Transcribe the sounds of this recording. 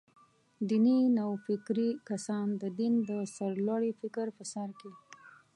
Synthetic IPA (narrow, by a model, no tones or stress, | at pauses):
d̪ininawfɪkɾikasɑnd̪əd̪ind̪əsaɾlwaɽifɪkɾpəsaɾke